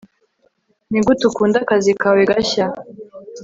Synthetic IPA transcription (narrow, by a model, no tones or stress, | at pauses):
niɡutukuːndakazikaweɡaça